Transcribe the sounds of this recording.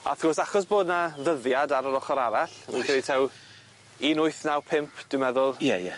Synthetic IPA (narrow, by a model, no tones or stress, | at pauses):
a̰θɡ̥ɔsaχɔsboːdnaðəðjadaɾəɾɔχɔɾaɾaɬminkʰəlitʰɛw | inʊɨθnawpʰɪmpʰd̥ɪmɛðʊlˠjɛjɛ